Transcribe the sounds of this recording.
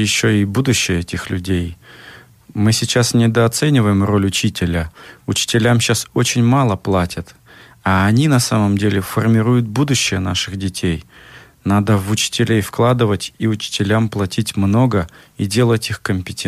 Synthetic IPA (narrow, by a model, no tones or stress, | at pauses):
jɪɕːoɪbud̪ʊɕːɪjəɛtʲɪxlʲʉdʲej | mɨsʲɪt͡ɕasnʲɪd̪əɐt̪sɛnʲɪvəjɪmro̞lʲʊt͡ɕitʲɪlʲəʊt͡ɕɪ̥tʲɪlʲamɕasot͡ɕɪnʲmalˠəplˠatʲət̪ | aɐnʲinɐsaməmdʲelʲɪfərmʲɪɾujʊt̪̚bud̪ʊɕːɪjənaʂɨxdʲɪtʲej | nad̪əvʊt͡ɕɪ̥tʲɪlʲejfklˠad̪ɨvətʲiʊt͡ɕɪ̥tʲɪlʲamplˠɐtʲitʲmno̞ɡə | idʲe̞lˠətʲixkəmʲpʲɪtʲe